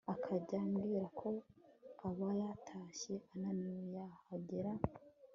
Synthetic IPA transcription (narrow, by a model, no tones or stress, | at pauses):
akʰaɟamɡiɾakʰo̞aβajatʰaʃe̞ʔananujahaɟeɾa